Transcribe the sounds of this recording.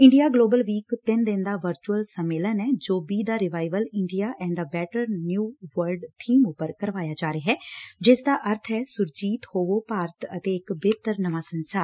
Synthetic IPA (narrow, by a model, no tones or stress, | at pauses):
ɪ̃ɳɖijaːɡloːbəlʋiːkt̪ɪnd̪ɪnd̪aːʋəɾt͡ʃuəlsəmːeːlənɛːd͡ʒoːbiːd̪aːɾɪʋaːɪʋəlɪɳɖijaːʔɛ̃ːɳɖəbɛːʈəɾnjuːʋəɾɖt̪ʰiːmʊpəɾkəɾʋaːjaːd͡ʒaːɾeɦɛːd͡ʒɪsd̪aːʔəɾt̪ʰɦɛːsʊɾd͡ʒiːt̪hoːʋoːpaːɾət̪ət̪eːɪkbeːt̪əɾnəʋaːsənsaːɾ